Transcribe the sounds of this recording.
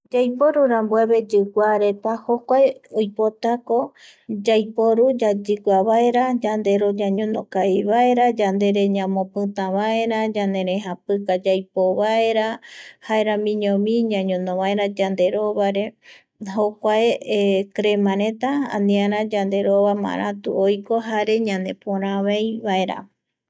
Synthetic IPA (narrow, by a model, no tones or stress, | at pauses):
d͡ʒajpoɾuɾambweβe̞d͡ʒɨɡʷaɾe̞t̪ahokʷaeojpot̪ako̞ | d͡ʒajpo̞ɾud͡ʒad͡ʒɨɡʷaβaeɾad͡ʒand̪e̞ɾod͡ʒãɲõnõkaiβaeɾad͡ʒand̪e̞ɾe̞ɲãmõpɨt̪ãβae̞ɾad͡ʒand̪e̞ɾẽɦapɨkad͡ʒajpoβae̞ɾahaeɾamĩɲõmĩɲãɲõnõβae̞ɾad͡ʒand̪e̞ɾo̞βaɾe | ɦokʷaekɾe̞mãɾẽ̞t̪aã̰nĩaɾãd͡ʒand̪e̞ɾoβamã̰ɾã̰t̪ṵojko̞ɦaɾe̞ɲãnd̪e̞põɾ̃ãβejβaeɾa̰